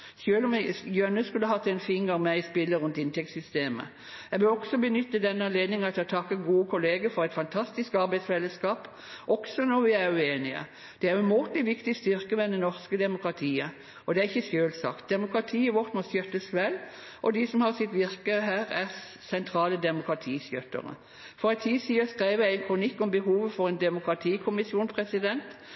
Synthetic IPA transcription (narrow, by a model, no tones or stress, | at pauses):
sjøːlmjønəskʉlːəɦɑt̪ːɛɪnfɪnɡəmæɪɪspɪlːəɾʉnt̪ɪnt̪ʰɛkt̪sʏst̪eːmə̰ | æʋəlɔksɔbənʏt̪ːəd̪ɛnːəɑnleːd̪nɪŋɑt̪ɔt̪ʰɑkːəɡuːəkʰʊleːɡəfɔʁɛɪt̪fɑnt̪ʰɑst̪ɪskɑɾbæɪsʋɛlːəskɑːp | ʔɔksɔnɔʋɪæʁjʉeːnɪə̰ | d̪̥ɛæɾjʊmuːt̪lɪʋɪkt̪ɪst̪ʏʁkəmɛnd̪ɛnɔʁskəd̪ɛmʊkʁɑt̪ʰiːə | ɔd̪ɛæʁɪçːəsjøːlsɑ̰kt̪̚d̪ɛmʊkʁɑt̪ʰiːəʋɔʁt̪mɔsjœt̪ːəsʋɛlː | ʔɔd̪ɪsɔmhɑːsɪt̪ʋɪɾkəɦæːʁæʁ | sɛnt̪ʰɾɑːləd̪ɛmʊkɾɑt̪ʰiːsjœt̪ːə̰ɾə̰ | fɔɾʁɛɪt̪ʰiːsiːɑskʁeɪʋəæɪnkʰɾʊnɪkːɔmbəɦuːʋəfɔʁɛnd̪ɛmʊkɾɑt̪ʰiːkʰʊmɪsjuːnpʰʁɛsɪd̪ɛnt̪